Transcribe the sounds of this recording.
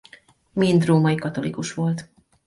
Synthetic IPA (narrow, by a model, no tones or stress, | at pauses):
mind̪roːmɒjikɒt̪o̞lḭkuʃʋo̞lt̪